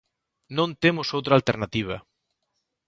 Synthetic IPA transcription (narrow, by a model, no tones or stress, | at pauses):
nõnt̪emʊsowt̪ɾalt̪eɾnat̪iβ̞ɐ̰